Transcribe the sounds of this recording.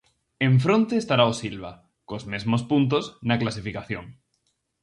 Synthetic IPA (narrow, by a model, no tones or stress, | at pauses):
eɱf̬ɾõnt̪eːst̪aɾaosilβa | kozmezmospunt̪̬oznaklasifikaθjoŋ